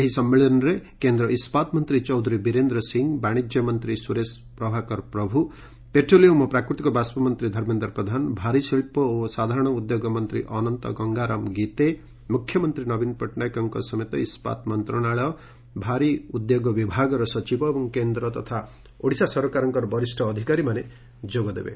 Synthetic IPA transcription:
eɦisʌmːeɭɔnɾekend̪ɾɔʔispat̪mʌnt̪ɾit͡ʃɔwd̪ʱuɾibiɾend̪ɾʌsiŋɡbaɽ̃id͡ʒjʌmʌnt̪ɾisuɾes | pɾʌbʱakɔɾpɾʌbʱu | peʈʰɾolijomɔpɾakɾut̪ikɔbaspɔmʌnt̪ɾid̪ʱʌɾmend̪ɔɾpɾʌd̪ʱanbʱaɾisiɭpɔosad̪ʱaɾɔɽ̃ɔud̪joɡɔmʌnt̪ɾḭʔʌnʌnt̪ɔ̰ɡʌŋɡaɾɔmɡit̪e | mukʰjɔmʌnt̪ɾinʌbinpɔʈnajkɔŋkɔsɔmet̪ɔispa̰t̪mɔnt̪ɾɔɽ̃aɭɔ | bʱaɾiud̪joɡɔbibʱaɡɔɾɔsɔt͡ʃibɔbɔŋkend̪ɾɔt̪ɔt̪ʰa | oɽisasɔɾokaɾɔŋkɔɾɔbʌɾisʈʰɔːd̪ʱikaɾimane | d͡ʒoɡɔd̪ḛbḛ

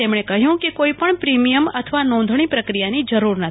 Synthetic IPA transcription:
emɽ̃ekəɦjũkekoipəɳpɾimijəmət̪ʰəʋanɔ̃nd̪ʱɳ̃ipɾəkɾijanid͡ʒəɾuɾnə

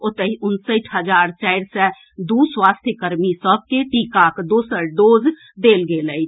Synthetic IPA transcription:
ot̪əɦiunsəʈʰɦəd͡ʒaɾt͡ʃaiɾsɛ | d̪uswast̪ʰjəkəɾmisəb̚ʱkeʈikakd̪osəɾɖod͡ʒ | d̪elɡeləɪt͡ʃʰ

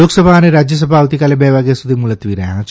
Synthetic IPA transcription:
oːksɐbʱaːnɨɾaːd͡ʒjɐs̬ɐbʱaːʋɐt̪ikɐlɐbeːʋaːɡjɐsuðimulɐt̪ːʋiɾɐ̰ãːt͡ʃ

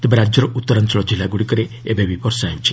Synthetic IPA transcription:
t̪ebeɾad͡ʒjɔɾɔʔut̪ːɔɾant͡ʃɔɭɔd͡ʒilːaɡuɽikɔɾe | ebebipɔɾsajũt͡ʃʰi̥

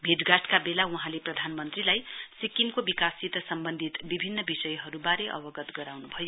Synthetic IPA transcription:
bʱiʈɡaʈkabelauɦãleprʌd̪ʱanmʌnt̪rilajsikimkobikasit̪ʌsʌmbʌnd̪ʱit̪bibʱinːʌbisʌjɦʌɾubaɾeʔʌ̰bʌɡʌt̪ɡʌɾawnubʱʌjo

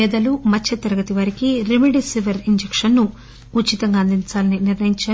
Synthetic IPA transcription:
ɛːd̪ɐlumɐtʰːɐt̪ɐɾɐɡɐt̪iʋɐɾikiɾimiɖisiʋɐɾiɲd͡ʒekʂɐnːu | ut͡ʃit̪ɐŋɡaːnd̪iɲt͡ʃaːlɐniniɾnɐjiɲt͡ʃaː

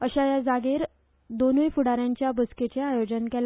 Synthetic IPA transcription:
əɕajad͡zaɡeɾ | d̪onujfuɽaɾjãɲt͡ɕjabəsket͡seajod͡ʑənkel

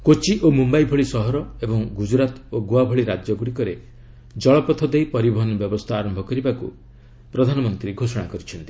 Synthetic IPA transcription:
kot͡ʃiʔomumbajbʱɔɭisɔɦɔɾɔebɔŋɡud͡ʒɾat̪oɡuabʱɔɭiɾad͡ʒjɔɡuɽikɔɾe | d͡ʒɔɭɔpɔt̪ʰɔd̪ejpɔɾibɔɦɔnɔbjɔbɔst̪ʰaːɾɔmbʱɔkɔɾibaku | pɾɔd̪ʱanɔmɔnt̪ɾiɡʱosɔɽ̃akɔɾit͡ʃʰɔnt̪i̥

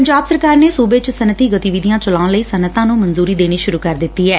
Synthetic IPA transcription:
pəɲd͡ʒaːbsəɾkaːɾneːsuːbeːt͡ʃsənət̪iːɡət̪iːʋid̪ijãːt͡ʃəlãːnləiːsənət̪ãːnũːmənzuːɾiːd̪eːɽ̃iːʃʊɾuːkəɾd̪ɪt̪ːiːɛː

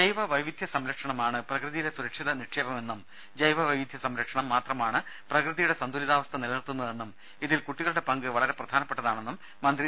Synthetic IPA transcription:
d͡ʑɐjʋɐʋɐjʋid̪ʱjɐsɐmɾɐkʂɐɳɐmaːɳɨprɐkrɨðijiɽe̞suɾɐkʂiðɐnikʂeːbɐme̞nːum | d͡ʑɐjʋɐʋɐjʋid̪ʱjɐsɐmɾɐkʂɐɳɐmːaːt̪rɐmaːɳɨ | prɐkrɨðijuɽe̞sɐnd̪ʱuliðaːʋɐst̪ʰɐnilirt̪unːɐðe̞nːum | iðilkuʈːiɣɐɭuɽe̞pɐŋɡɨʋɐɭɐɾe̞prɐd̪ʱaːnɐpːeʈːɐðaːɳe̞nːumːɐnd̪ri

